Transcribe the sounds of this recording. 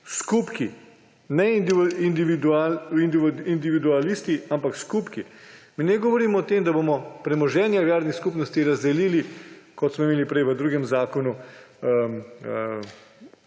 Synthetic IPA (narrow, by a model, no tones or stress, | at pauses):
skupki | nɛid̪ind̪iʋid̪uaind̪iind̪iʋid̪ualist̪iampakskupkiminɛɡɔʋɔɾiːmɔːt̪eːmd̪abomɔpɾɛmɔʒɛːnjaʋjaːɾnixskupnɔst̪iɾazd̪ɛliːlikɔt̪smɔimeːlipɾɛjʋəd̪ɾuːɡɛmzaːkɔnu